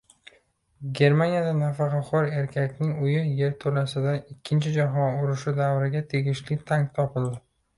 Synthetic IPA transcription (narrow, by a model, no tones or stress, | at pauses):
ɡʲe̞ɾmanijad̪anafaqʰɑqʰɒɾe̞ɾkʲʰakʲnɪŋʊjɪje̞ɾt̪ʰolasɪd̪aɪkʲʰːɪnt͡ʃʰɪd͡ʒaɦɒnʊɾɪʃʊd̪avɾɪɡʲat̪ʰe̞ɡʲɪʃlɪt̪ʰaŋt̪ʰɒpɪld̪ɪ